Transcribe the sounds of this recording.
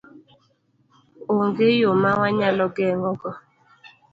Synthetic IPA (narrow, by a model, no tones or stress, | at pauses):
oŋɡejomawaɲalɔɡɛŋɡɔkɔ